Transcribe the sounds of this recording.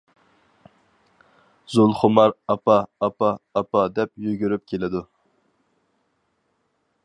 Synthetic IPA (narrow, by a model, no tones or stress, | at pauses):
zolˠχʊmɑɾɑpɑːpɑːpɑd̪ɛp̚jyɡʲyɾyp̚kʲʰelɪd̪u